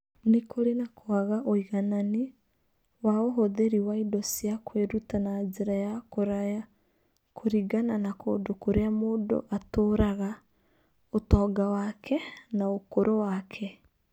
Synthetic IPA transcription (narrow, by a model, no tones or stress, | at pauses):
nekoɾenakoaɣaʔoiɣanani | waoɦoðeɾiwaidɔsjakweɾutanad͡ʒeɾajakoɾaja | kʰoɾiɡananako̰ːndokoɾeamoːndo̰ʔatoːɾaɣa | otɔːɡawakʰɛnaokoɾʔowakʰɛ